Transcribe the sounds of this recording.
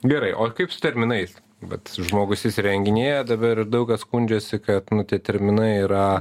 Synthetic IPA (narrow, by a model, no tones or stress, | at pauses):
ɡʲɛɾɐɪʔoːkɐɪpsʊ̥t̪ʲɛɾʲmʲɪnɐɪs | ʋɐ̰t̪ʒmoːɡʊsʲɪsɾʲɛŋʲɡʲɪnʲeːjɛd̪ɐbɐɾɪɾd̪ɐʊkɐsskunʲd͡ʒʲɛsʲɪkɐt̪nʊt̪ʲiɛt̪ʲɛɾʲmʲɪnɐɪiːɾɐ